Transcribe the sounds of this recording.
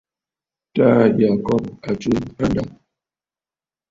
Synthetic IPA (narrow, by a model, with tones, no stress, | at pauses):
ta˦˨ja˨kɔ˦p̚a˨t͡ʃu˦a˦nda˨